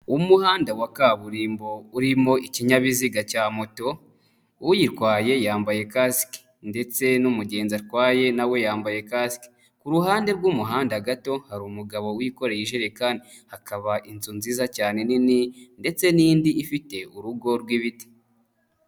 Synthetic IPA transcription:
umuhaːndawakaβuɾiːmbo̞uɾimo̞ʔiciɲaβiziɡacaːmoto̞ | jiɾkwaːje̞jaːmbaje̞kaski̥ | nde̞t͡se̞numuɟe̞ːnzaɾkwaːje̞nawe̞jaːmbaje̞kasiki̥ | kuɾuɦaːnde̞ɾɡumuɦaːndaɡato̞haɾumuɡaβo̞wiko̞ɾe̞jiʒeɾekani | hakaβaʔint͡sunzizacaːne̞nininde̞t͡se̞niːndiːfite̞uɾuɡo̞ɾɡwiβiti̥

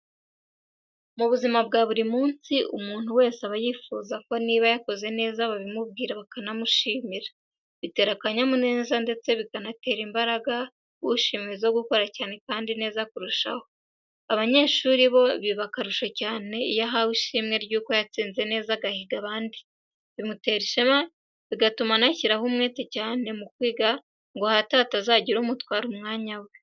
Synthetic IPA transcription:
muβuzimabɡaːβuɾimuːnsiʔumuːn̥huwe̞ːseaβajiːfuzako̞niβajako̞ze̞ne̞ːzaβaβimub̚ɡiːɾaβakanamuʃiːmiɾa | βite̞ːɾakaɲamune̞ːzande̞t͡se̞βikanate̞ːɾimbaɾaɡa | wuʃiːmiezoɡuko̞ɾacaːne̞kaːndine̞ːzakuɾuʃa̰ho | aβaɲe̞ːʃuːɾiβo̞βiβakaɾuʃocaːne̞ijaɦawiʃiːmŋe̞ɾɟuːko̞jat͡siːnze̞ne̞ːzaɡahiɡaβaːndi | βimute̞ɾiʃema | βiɡatumanaciɾahumŋe̞ːtecaːne̞mukwiːɡa | ŋɡo̞hataːtazaɟiɾuːmutwaːɾumŋaːɲawe

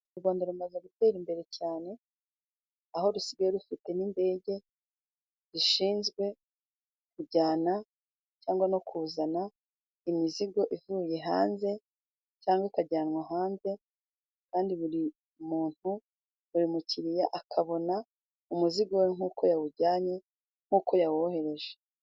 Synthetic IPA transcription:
uɡoːndeɾumazaɡute̞ːɾimbe̞ɾe̞caːne̞ | aho̞ɾusiɡajoɾufite̞ninde̞ːɟe̞ | ɾiʃiːnzɡwe̞ | kuɟaːna | caːŋɡwano̞kuːzana | imiziɡo̞ʔivuːje̞ɦaːnze̞ | caːŋɡwakaɟaːnŋwaɦaːnze̞ | kaːndiβuɾi | muːn̥hu | βuɾimuciɾijaʔakʰaβo̞na | umuziɡo̞weŋ̥uːkʰo̞jawuɟaːɲe̞ | ŋ̥uːko̞jawohe̞ɾe̞ʒe

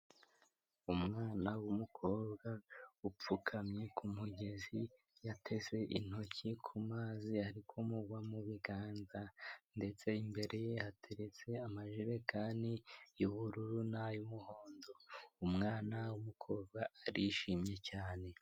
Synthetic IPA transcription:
umŋaːnawumukʰo̞ːbɡaup͡fukʰamɲe̞kʰumuɟe̞zi | jatʰe̞ze̞ʔḭn̥ho̞cikʰumaːzihaɾikʰomuɡwamuβiɡaːnzande̞t͡se̞imbe̞ɾe̞jehatʰe̞ɾe̞t͡se̞amaʒiɾe̞kʰaːnijuβuɾuɾunajumuhoːndo̞umŋaːnawumukʰo̞ːbɡaːɾiʃimɲe̞caːne̞

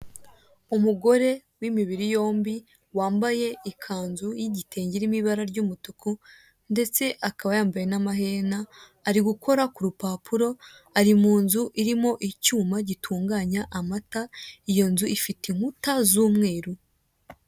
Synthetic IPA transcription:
umuɡo̞ɾe̞wimiβiɾijo̞ːmbi | waːmbaje̞ikʰaːnzujiɟitʰe̞ːɲɟiɾimiβaɾaɾɟuːmutuku | nde̞t͡se̞ʔakaβajaːmbaje̞namaɦe̞naː | ɾiɡuko̞ɾakuɾupaːpʰuɾo̞ | aɾimuːnzuʔiɾimo̞ʔicuːmaɟitʰuːŋɡaːɲaʔamataijo̞nzuifitiŋ̥hutazuːmŋe̞ːɾu

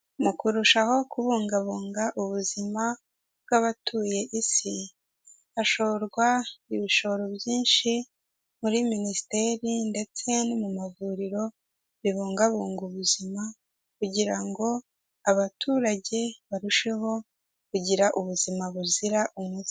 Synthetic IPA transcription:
mukuɾuʃaho̞kuβuːŋɡaβuːŋɡaʔuβuzima | bɡaβatʰuːje̞ʔisi | aʃo̞ɾɡwaiβiʃo̞ɾobɟiːnʃi | muɾiminisi̥te̞ɾinde̞t͡se̞nimumavuɾiɾo̞ | βiβuːŋɡaβuːŋɡuβuzima | kuɟiɾaŋɡo̞ | aβatʰuːɾaɟe̞βaɾuʃe̞ɦo̞ | kuɟiɾaʔuβuzimaβuziɾaʔumuzi

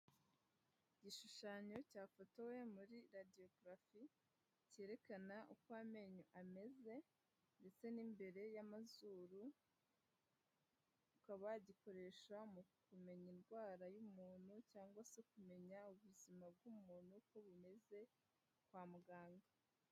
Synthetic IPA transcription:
iɟiʃuʃaːɲo̞caːfotawe̞muɾiɾadio̞ɡɾafi | ce̞ːɾe̞kanaʔukwame̞ɲoʔame̞ze̞ | nde̞t͡se̞nimbe̞ɾe̞jamazuːɾu | ukaβaɟiko̞ɾe̞ʃamukume̞ɲinɡwaːɾajumuːn̥hucaːŋɡwasekume̞ɲauβuzimab̚ɡuːmuːn̥huko̞βume̞ze̞ | kwaːmuɡaːŋɡa

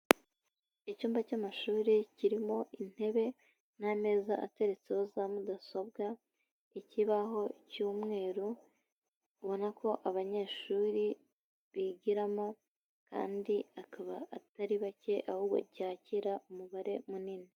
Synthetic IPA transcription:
icuːmbacamaʃuːɾiciɾimo̞ʔin̥he̞βe̞ | name̞ːzaʔa̰te̞ɾe̞t͡seho̞zamudaso̞b̚ɡa | iciβaɦo̞cuːmŋe̞ːɾu | βo̞nakʰo̞ʔaβaɲe̞ːʃuːɾi | βiɟiɾamo̞ | ka̰ːndiakaβaːtaɾiβace̞ʔahuːbɡo̞̰ɟaːciɾaʔumuβaɾe̞munini

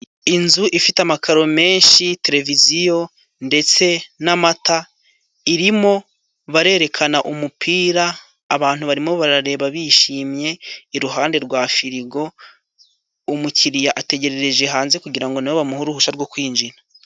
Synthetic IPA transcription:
inzuʔifitamakʰaɾo̞me̞ːnʃite̞ɾe̞vizijo̞ | nde̞t͡se̞namata | iɾimo̞ | βaɾe̞ːɾe̞kʰanaʔumupʰiːɾaː | βaːn̥huβaɾimo̞βaɾaɾe̞ːβaβiʃiːmɲe̞iɾuɦaːnde̞ɾɡwaːfiɾiɡo̞ | umuciɾijaʔate̞ɟe̞ɾe̞ɾe̞ʒe̞ɦaːnze̞kuɟiɾaŋɡoniwoβamuhuɾuhuʃaɾɡokwiːnd͡ʒina

